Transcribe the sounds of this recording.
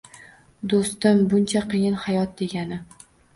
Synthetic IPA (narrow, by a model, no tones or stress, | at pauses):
d̪ost̪ɪmbʊnt͡ʃʰaqɨjɪnhajɒt̪̚d̪e̞ɡʲanɪ